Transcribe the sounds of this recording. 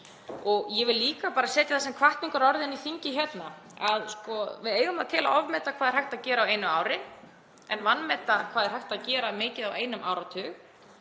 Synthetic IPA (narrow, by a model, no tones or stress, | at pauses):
ɔɣjɛvɪllːiːkapaːɾasɛːt̪jaθasɛmkʰvaht̪niŋkʏɾɔɾðɪniθiɲcɪçɛt̪na | aðskɔvɪðeːjɣʏmaðt̪ʰɛːla̰ʔɔvmɛt̪akʰvaːðɪɾ̥hajht̪aðcɛːɾaawejnʏaːwɾɪ | ɛnvanːmɛt̪akʰvaːðɾ̥ajht̪aðcɛːɾamɪːcɪðaweːjnʏmʔa̰ːwɾawt̪ʰʏːɣ